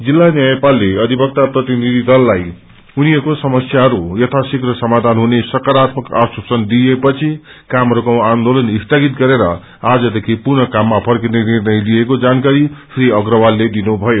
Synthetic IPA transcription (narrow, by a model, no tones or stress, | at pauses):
d͡zilːanjajpalːeʌd̪ʱibʌk̚t̪aprʌt̪inid̪ʱid̪ʌlːaj | uniʌɾkosʌmʌsjaɦʌɾujʌt̪ʰasikrʌsʌmad̪ʱanɦunesʌkaɾat̪mʌka̰sosʌnd̪iepʌt͡sʰikamʌɾokawand̪olʌnist̪aɡit̪̚ɡʌɾeɾʌ̰ | ad͡zʌd̪ekʰipurnʌkamːapʰʌrkinenirnʌjlijekod͡zankaɾisʰriʌɡɾʌwalːed̪inubʱʌjo